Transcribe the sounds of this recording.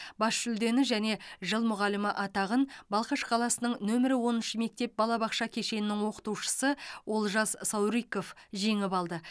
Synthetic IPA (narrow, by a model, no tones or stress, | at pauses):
bɑsʃʏld̪e̞nɪʒæne̞ʒəlˠmʊʁɑlɪmɪʔɑt̪ɑʁənbɑlˠqəʃqʰɑlˠɑsənəɴnɵmɪɾɪwo̞nənʃəme̞k̚t̪e̞p̚bɑlˠɑbɑqʃɑkʲʰe̞ʃe̞nɪnɪŋwo̞qə̥t̪uwʃə̥səwʔo̞lˠʒɑzsɑwɾijko̞fʒe̞ŋɪpɑlˠd̪ə